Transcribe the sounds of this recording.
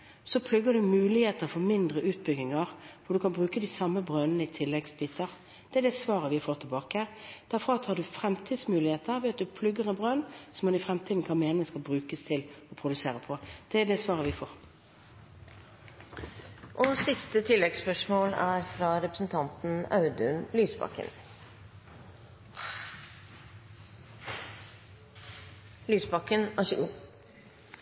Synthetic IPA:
sɔpʰlʉɡədʉmʉːlɪheːt̪əʁfɔʁmɪnd̪ʁəʔʉːt̪̚bʏɡɪŋɑʁʋʊɖ̪ʉkʰɑnbʁʉːkəd̪ɪsɑmːəbʁønənəɪt̪ʰɪlːɛɡsbiːt̪ʰəʁ | d̪̥ɛæɖ̪ɛsʋɑːʁəʋɪfoːʁt̪ʰɛlbɑːkəəd̪̥æɾfʁɑɑt̪ʰhɑɖ̪ʉfɾɛmt̪ʰiːd̪smʉːlɪheːt̪əʁʋɛːɑt̪̚d̪ʉpʰlʉɡəʁɛbʁønsɔmɔd̪ɪfʁɛmt̪ʰiːd̪n̩kʰɑnmeːnɪŋəskɑbʁʉːkəst̪ʰɪlɔpʰɾʊd̪ʉseːʁəpʰɔd̪̥ɛæd̪ɛsʋɑːʁəʋɪfoːʁ | ʔɔsɪst̪ət̪ʰɪlːɛɡspœʂmoːlæːɾfɾɑɾɛpɾəsn̩t̪ʰɑnt̪n̩ɑʉd̪ʉnlyːsbɑ̰kːə̰n | lyːsbɑkːənæʃʉʔu

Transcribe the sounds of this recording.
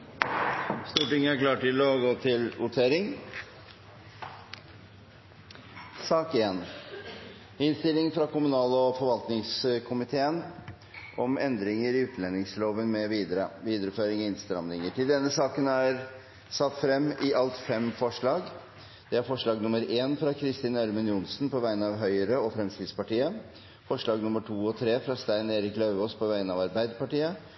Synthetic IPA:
st̪uːʈɪŋːəæɾklɑːʈʈɪlɔɡoːt̪ʰɪlʊʈ̪ʰeːɾɪŋ | sɑːkeːn | hɪnst̪ɪlːɪŋfɾɑkʊmʉnɑːlɔfɔɾʋɑlt̪nɪŋskʰʊmɪt̪ʰeːən | ʔɔmɛnd̪ɾɪŋəɾɪʉːt̪nɛnːɪŋsloːʋənmɛʋiːd̪əɾəʋiːd̪əɾəføːɾɪŋɪnst̪ɾɑmlɪŋəʈʰɪld̪ɛnːəsɑːkənæɾ | sɑt̪ːfɾɛmːɪʔɑlt̪fɛmfɔʂɭɑːɡ | d̪̥ɛæɾfɔʂɭɑːɡnʊmːəɾeːnfɾɑkʰɾɪst̪iːnæɾmənjʊnsnpʰɔʋæɪənɑʋɦœʏəɾəɔfɾɛmskɪd̪spɑʈiːə | fɔʂɭɑːɡnʊmːəʈʰuːɔt̪ʰɾeːfɾɑst̪æɪneːɾɪklœʉʋoːspʰɔʋæɪənɑʋɑɾbæɪd̪əpɑʈiːə

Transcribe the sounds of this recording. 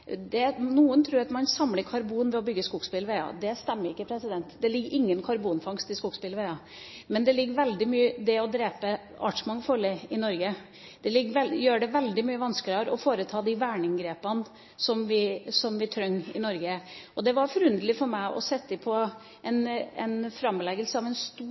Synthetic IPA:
d̪ɛnuːənt̪ʰɾʉːɾɑt̪mɑnsɑmləkʰɑɾbuːnʋɛɔbʏɡːəskuɡspɪlʋeɪɑ̰d̪ɛst̪ɛmːəɾɪkːəpʰɾɛsɪd̪ɛnt̪d̪ɛlɪɡːʔɪŋːənkʰɑɾbuːnfɑŋst̪ɪskuːɡspɪlʋɛɪɑ | mɛnd̪ɛlɪɡːəʋɛld̪ɪmyːəd̪ɛɔd̪ɾeːpə | ɑ̰ʈʂmɑŋːfɔɭɛɪnɔɾɡə | d̪̥ɛlɪɡʋɛjøːɖɛʋɛld̪ɪmyːəʋɑnskəɾɑɾɔfoːɾət̪ʰɑːd̪ɪʋæːɳɪŋɡɾeːpən | sɔmʋɪsɔmʋɪt̪ʰɾœŋːɪnɔɾɡəʔɔd̪ɛʋɑɾfɔɾʉnd̪əlɪfɔɾmæɪʔɔ̰sɛt̪ːɪpʰɔ | ɛnɛnfɾɑmːlɛɡəlsəɑʋɛnst̪uː

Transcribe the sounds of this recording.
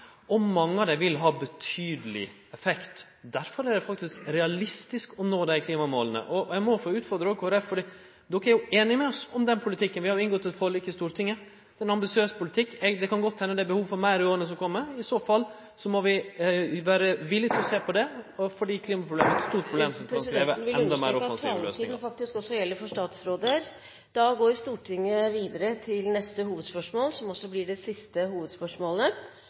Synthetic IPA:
ɔmɑŋːəɑd̪ɛʋɪlɦɑːbət̪ʰyːd̪əlɪ̰ | ɛfɛkt̪ | d̪æɾfɔɾæɖɛfɑkt̪ɪskɾɛɑlɪst̪ɪskɔnoːd̪æɪkʰliːmɑmo̰ːlənə̰ʔɔjæɪmɔfoːʉːt̪fɔɾd̪ɾəokʰoːɾɛffɔɖiː | d̪ɔkːəæɾjʊeːnɪmɛɔsɔmd̪ɛnpʰʊlɪt̪ʰɪkːənʋɪhɑɾjʊɪnɡɔt̪ːɛt̪fɔlɪkːəst̪uːɾət̪ʰɪŋːə | d̪̥ɛnɑmbɪsɪøːspʰʊlɪt̪ʰɪkːɛɡd̪ɛkɑnɡɔt̪ːhɛnːəd̪ɛbəhuːʋfɔɾmæɪɾɪoːɾənəs̬ɔmkʰɔmːəɾɪsoːfɑlː | sɔmɔʋɪʋæːɾəʋɪlːɪt̪ɪlɔseːpɔd̪ɛfɔɖiːkʰliːmɑpʰɾʊblḛːməɛt̪st̪uːʈ̚pʰɾʊbleːmsɔmkɾɑnskɾeːʋən̩ʋɪlɛnd̪meːɾɔfɑnssiːʋlø̰ːsniːŋnfɑk̚t̪ɪskɔsːɔjɛlːəɾfɔʂtɑːt̪sɾoːd̪əɾ | d̪̥ɑɡoːɾst̪uːʈʰɪŋːəʋiːd̪əɾət̪ʰɪlnɛst̪əhuːʋəd̪spœʂmoːlsɔmɔsːɔblɪɖɛsɪst̪əɦuːʋəd̪spœʂmoːlə

